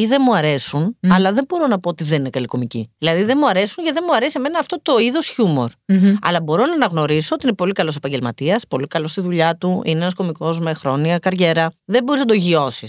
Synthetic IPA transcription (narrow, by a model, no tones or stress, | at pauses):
iðe̞muɐɾe̞sunɐlɐðe̞bo̞ɾo̞nɐpoot̪iðeninekɐliko̞miciðilɐðiðe̞muɐɾe̞suɲcɐt̪ðemuɐɾesieme̞nɐːft̪o̞t̪o̞iðo̞sçumo̞̰ɾɐ̰lɐbo̞ɾo̞nɐnɐɣno̞ɾiso̞ot̪iinepo̞likɐlo̞sepɐɲɟe̞lmɐt̪iɐspo̞likɐlo̞st̪iðuʎɐt̪uḭneenɐsko̞miko̞zme̞xɾo̞niɐkɐɾʝe̞ɾɐðebo̞ɾiznɐd̪oʝio̞sis